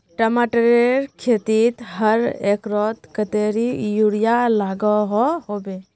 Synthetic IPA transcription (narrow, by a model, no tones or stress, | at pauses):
ʈəmaʈəɾeɾkʰet̪it̪ɦəɾekɾɔt̪kət̪eɾijuɽijalaɡɔɦɔhobe